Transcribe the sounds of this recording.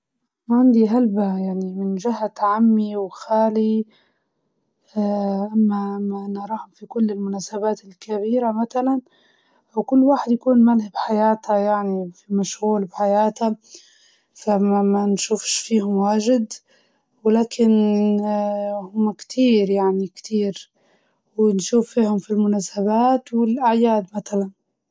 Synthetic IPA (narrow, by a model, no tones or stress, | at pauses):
maʕand̪iɦalbajaʕnimɪnʒɪɦːat̪ʕamːiwxaːli | aʔamːaʔamːaʔanɑɾˤɑːhʊmfikʊlːɪlmʊnaːsabaːt̪ɪlkaβiːɾamaθalan | ʔawkʊlːwaːħɪd̪jakuːnmalhabħajaːt̪hajaʕnifimaʃɣuːlbħajaːt̪a | famamanʃuːfʃfiːhʊmwaːʒɪd̪ | wɪlaːkʰɪn | hʊmːakt̪ʰiːɾjaʕnikt̪ʰiːɾ | wɪnʃuːfːiːhʊmfilmʊnaːsabaːt̪wɪlʔaʕjaːd̪mat̪alan